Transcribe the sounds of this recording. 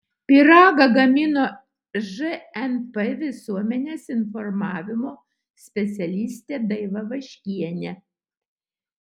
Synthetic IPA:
pʲɪɾɑːɡɐɡɐmʲɪnoː | ʒɨɛnpɛʋʲɪsuɔmʲɛnʲeːsɪnfɔɾmɑːʋʲɪmoː | sʲpʲɛt̪sʲɛlʲiːsʲt̪ʲeːd̪ɐɪʋɐʋɐʃʲkʲiɛnʲɛ

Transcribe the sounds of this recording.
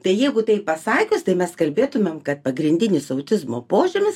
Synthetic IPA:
t̪ɐɪjɛɪɡʊt̪ɐɪpɐsɑːkʲʊst̪ɐɪmʲɛskɐlʲbʲeːt̪ʊmʲemkɐt̪̚pɐɡɾʲɪnʲd̪ʲɪnʲɪsɐʊt̪ʲɪzmoːpoːʒʲʊmʲɪs

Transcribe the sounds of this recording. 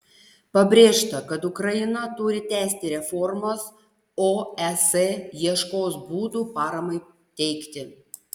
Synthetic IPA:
pɐbʲɾʲeːʃt̪ɐkɐt̪ʊkɾɐjɪnɐt̪ʊɾʲɪt̪ʲæːsʲt̪ʲɪɾʲɛfɔɾmɐs | oːɛsejiɛʃkoːsbuːd̪uːpɑːɾɐmɐɪ | t̪ʲɛɪkt̪ʲɪ

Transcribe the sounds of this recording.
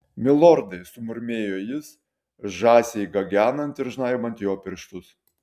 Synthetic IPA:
mʲɪlˠɔɾd̪ɐɪsʊmʊɾʲmʲeːjoːjɪs | ʒɑːsʲɛɪɡɐɡʲæːnɐnt̪ɪɾʒnɑːjɪmɐnʲt̪ʲjoːpʲɪɾʃt̪ʊs

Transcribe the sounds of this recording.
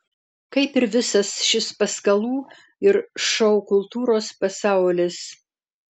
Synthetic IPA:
kɐɪpɪɾʋʲɪsɐsʃʲɪspɐskɐlˠuː | ɪɾʃɐʊkʊlˠt̪uːɾoːspɐsɑˑʊlʲɪs

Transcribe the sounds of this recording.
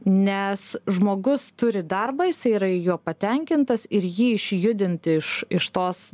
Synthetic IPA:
nʲɛsʒmoːɡʊst̪ʊɾʲɪd̪ɐrbɐːjɪsɐɪiɾɐɪjoːpɐt̪ʲɛŋʲkʲɪnt̪ɐsɪɾjiːɪʃʲjʊd̪ʲɪnʲt̪ʲɪɪʃɪʃt̪oːs

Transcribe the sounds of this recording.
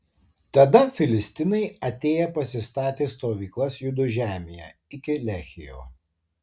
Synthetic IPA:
t̪ɐd̪ɐfʲɪlʲɪsʲt̪ʲɪnɐɪɐt̪ʲeːjɛpɐsʲɪst̪ɑːt̪ʲeːst̪oːʋʲiːklˠɐsjʊd̪ʊʒʲæːmʲejæ̰ːɪkʲɪlʲæːxʲɪjo̰ː

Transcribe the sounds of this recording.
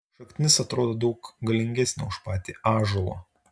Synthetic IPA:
ʃɐkt̪ʲɪnʲɪsɐt̪ɾoːd̪oːd̪ɐʊkɡɐlʲɪŋʲɡʲɛsʲnʲʊ̰ʊʃpɑːt̪ʲiːɑːʒolˠo̰ː

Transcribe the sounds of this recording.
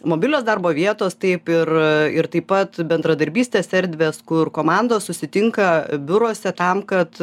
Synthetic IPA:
moːbʲɪlʲoːsd̪ɐɾboːʋʲiɛt̪oːst̪ɐɪpɪrɪɾt̪ɐɪpɐt̪bʲɛnd̪ɾɐd̪ɐɾʲbʲiːsʲt̪ʲeːsʲsʲɛɾʲd̪ʲʋʲeːskʊrkoːmɑnd̪oːssʊsʲɪt̪ʲɪŋkɐbʲʊɾoːsʲɛt̪ɐmkɐt̪

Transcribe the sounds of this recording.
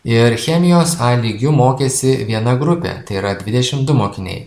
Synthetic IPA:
ɪɾxʲɛmʲɪjoːsɑlʲiːɡʲʊmoːkʲeːsʲɪʋʲiɛnɐɡɾʊpʲḛːt̪ɐɪiːɾɐd̪ʲʋʲɪd̪ʲɛʃʲɪmd̪ʊmoːkʲɪnʲɛ̰ɪ

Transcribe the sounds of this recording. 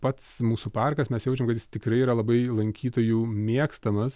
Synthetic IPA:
pɐt̪smuːsupɑrkɐsmʲɛsjɛʊt͡ʃʲɛmkɐt̪jɪ̥st̪ʲɪkɾɐɪiːɾɐlˠɐbɐɪlˠɐŋʲkʲiːt̪oːjuːmʲiɛkst̪ɐmɐs

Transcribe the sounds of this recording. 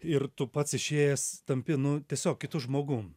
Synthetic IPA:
ɪrt̪ʊpɐt̪sɪʃʲeːjɛst̪ɐmʲpʲɪnʊt̪ʲiɛsʲoːkʲkʲɪt̪ʊʒmoːɡu

